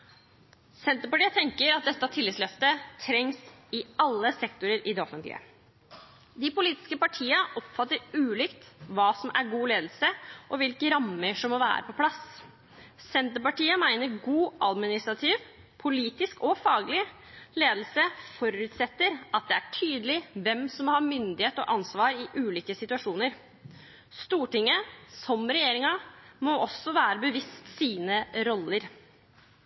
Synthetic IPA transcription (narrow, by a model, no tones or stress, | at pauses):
sɛnt̪əpɑʈiːət̪ʰɛŋkəɾɑt̪̚d̪ɛt̪ːəɑt̪ʰɪlːɪt̪slœft̪ət̪ʰɾɛŋsɪɑlːəsɛkt̪ʊɾəɾʔɪd̪ɛɔfənt̪lɪ̰ə̰ | d̪ɪpʊliːt̪ɪ̥skəpɑʈʰiːəʔɔpfɑt̪ːəɾʉːlɪkt̪ʋɑːsɔmʔæɾɡuːleːd̪l̩səʔɔʋɪlkəɾɑmːəʂɔmːɔʋæ̰ːɾəpʰɔpʰlɑs | sɛnt̪əɾpɑʈiːəmæɪnəɾɡuːʔɑd̪mɪnɪst̪ɾɑt̪ʰiːʋ | pʰʊliːt̪ɪskɔfɑːɡlɪ | leːd̪l̩səfɔɾʉt̪sɛt̪ːəɾɑt̪̚d̪ɛæʈʰyːd̪əlɪʋɛmsɔmɔhɑːmʏnd̪ɪheːt̪ɔ̰ʔɑnsʋɑːɾɪʔʉːliːkəsɪt̪ʉɑʂuːnəɾ | st̪uːʈɪŋːəsɔmɾɛjeːɾɪŋɑmɔʔɔsːɔʋæːɾəbəʋɪst̪siːnəɾɔlːəɾ